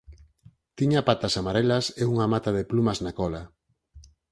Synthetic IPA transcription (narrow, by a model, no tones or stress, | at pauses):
t̪iɲapat̪asamaɾelaseuŋamat̪aðeplumaznakɔla